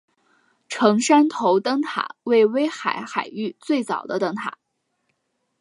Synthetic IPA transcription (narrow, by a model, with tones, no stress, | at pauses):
ʈ͡ʂʰɤ˧˥ŋʂa˥nt̪ʰo˧˥ʊt̪ɤ˥ŋt̪ʰa̰˨˩˦we˥˩ɪwe˥ɪxa˧˩ɪxa˨˩ɪy˥˧t͡swe˥˩ɪt͡sɑ̰˨˩ʊd̪ə˦t̪ɤ˥ŋt̪ʰa̰˨˩˦